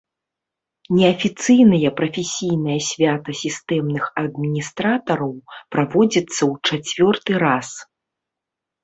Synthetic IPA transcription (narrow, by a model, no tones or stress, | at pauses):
nʲɛɐfʲit̪sɨjnɐjɐpɾɐfʲɛsʲijnɐjɐsʲvʲat̪ɐsʲist̪ɛmnɨxɐd̪mʲinʲist̪ɾat̪ɐɾɐwpɾavɔd͡zʲit̪sːɐwt͡ʂat͡sʲvʲɔrt̪ɨɾas